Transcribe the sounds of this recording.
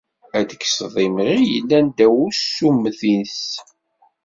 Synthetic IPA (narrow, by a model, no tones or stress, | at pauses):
æd̪əksðˤimɾijəlːænd̪æwusumːθins